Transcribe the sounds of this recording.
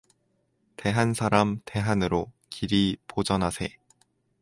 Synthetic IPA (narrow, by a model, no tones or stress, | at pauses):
te̞ɦansʰaɾamte̞ɦanɯɾo | kʰiɾipod͡ʑʌnɦasʰe̞